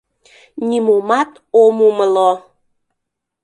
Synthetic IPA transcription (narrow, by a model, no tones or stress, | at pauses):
nʲimumɑt̪ | omuməlo